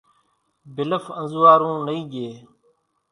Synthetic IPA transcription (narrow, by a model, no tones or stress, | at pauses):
bɪləfə̃nzuːaːɾũːnəĩːɡeː